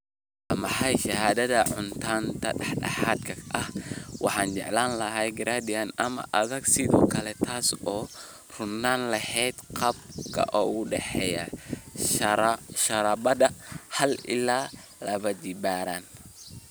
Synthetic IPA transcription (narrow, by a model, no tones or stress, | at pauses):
ʔɐmɑħɑjʃɐhaːðɐðɐʕʊnt̪ʰaːnt̪ʰɐɗɑħɖɑ̰ħaːd̪kʰɐʔɐhwɑħɑːnt͡ʃɛ̰ʕlaːnlɐɦɛjɡɪɾaːd̪ɪanɐmɐ̰ʔɐðɐɡsɪðɔ̰ːkʰɐlɛt̪ʰaːsɔː | r̥ʊnːaːnlɐhɛːd̪qɑb̚kʰɐ̰ʔɔːɣʊɖɛħɛjɐ̰ | ʃɐɾɐbɐdɐhɐlɪ̰laːlɐβɐd͡ʒɪbaːɾaːn